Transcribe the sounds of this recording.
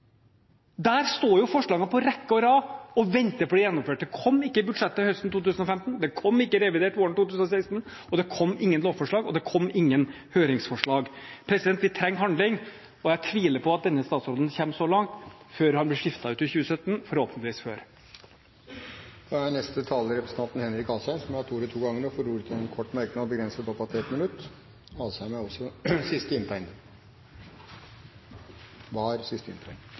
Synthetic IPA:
d̪æːɾst̪oːjʊfɔʂɭɑːɡəpʰɔɾɛkːəɔɾɑːɔʋɛnt̪əɾfɔɖ̪ɛjɛnːɔmføːʈ̚d̪ɛkʰɔmːɪkːəbʉd̪ʂɛt̪ːəhœst̪n̩t̪ʰuːt̪ʉːsnɔfɛmt̪n̩d̪ɛkʰɔmːɪkːəɾɛʋɪd̪eːʈʋoːɾɳ̩t̪uːt̪ʉːsn̩ɔseɪst̪n̩ | ɔd̪ɛkʰɔmːɪŋːənloːʋfɔʂɭɑːɡɔd̪ɛkʰɔmːɪŋːən | høːɾɪŋsfɔʂɭɑːɡpʰɾɛsɪd̪ɛnt̪ʋɪt̪ʰɾɛŋːɦɑnd̪lɪŋ | ɔjæt̪ʰʋiːləpʰɔɑt̪̚d̪ɛnːəst̪ɑːt̪sɾoːd̪nçɛːmsɔlɑŋt̪ | føːɾhɑnblɪʂɪft̪ɑʉːt̪ɪçʉːəsœt̪ːn̩fɔɾhoːpnət̪ʋiːsføːɾ | d̪̥ɑænɛst̪ət̪ʰɑːləɾɛpɾəsən̩t̪ʰɑnt̪n̩hɛnɾɪkɑlsæɪnsɔmjhɑt̪ʰuːɾɛt̪ʰuːɡɑŋːəɳɔfɔɾuːɾət̪ʰɛnkʰɔʈːmæɾknɪɑɔbəɡɾɛnsət̪ʰɔpɑt̪ʰɛt̪mɪnʉt̪ː | ɑːlsæɪmæɔsɔsɪst̪əɪnt̪ʰæɪn | ʋɑɾsɪst̪əɪ̰nt̪ʰæn

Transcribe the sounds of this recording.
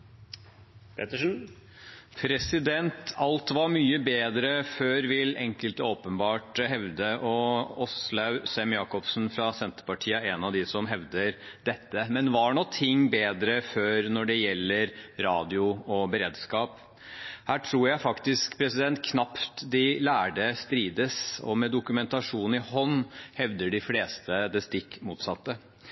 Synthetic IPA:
pʰɛt̪əʂn̩ | pʰɾɛsɪd̪ɛnt̪ʰɑlt̪ʋɑɾmyːəbeːd̪ɾəføːɾʋɪlɛŋkəlt̪oːpənbɑːʈɦɛʋd̪əʔɔɔslɑʉsɛmjɑːkɔpsn̩fɾɑsɛnt̪ə̥pɑʈʰiːəɛnɑʋd̪ɪsɔmɦɛʋd̪əɾd̪̥ɛt̪ːəmɛnʋɑɳɔt̪ʰɪŋːbeːd̪ɾəføːɾnɔɖɛjɛlːəɾɾɑːd̪ɪʊɔbəɾeːd̪skɑːp | hæːʈʰɾuːɾjæɪfɑkt̪ɪskpʰɾɛsɪd̪ɛnt̪̚kʰnɑpt̪d̪ɪlæːɖəst̪ɾiːd̪əsɔ̰mɛd̪ʊkʉmɛnt̪ɑʂuːn̩ɪhɔnːhɛʋd̪əɖɪfleːst̪əd̪ɛst̪ɪkːmuːt̪sɑt̪ːə

